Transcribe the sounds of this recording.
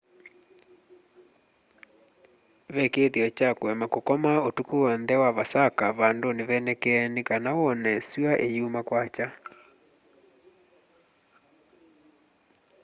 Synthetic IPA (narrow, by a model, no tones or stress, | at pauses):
βɛkeðiɔt͡ʃakwɛmakokɔmaotukuwɔnðɛwaβasakaβandoneβɛnɛkɛnekanawɔnɛsuaʔejumakwat͡ʃa